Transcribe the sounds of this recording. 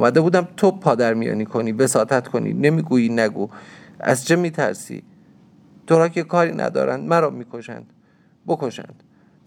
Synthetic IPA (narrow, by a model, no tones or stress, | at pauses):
mæd̪e̞buːd̪æmt̪ʰopʰɒːd̪æɾmijɒ̰ːniːkʰoniːvesɒːt̪ʰæt̪kʰonḭːnemiːɡuːjiːnæɡu | æ̰zt͡ʃʰemiːt̪ʰæ̰ɾsḭː | t̪ʰoɾɒːkʰekʰɒːɾiːnʔæ̰d̪ɒ̰ːɾænd̪mæɾɒːmiːkʰoʃæ̰nd̪̥ | bokʰo̞ʃæ̰nd̪̥